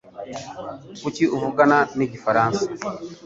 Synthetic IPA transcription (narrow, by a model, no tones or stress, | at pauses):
kuciuvuɡananiɟifaɾaːnsḁ